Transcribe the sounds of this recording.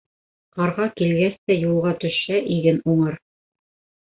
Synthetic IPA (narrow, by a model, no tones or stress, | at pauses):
qɑɾʁɑkilɡæst̪æjulˠʁɑt̪ɵ̆ʃæʔiɡɘnuɴɤɾ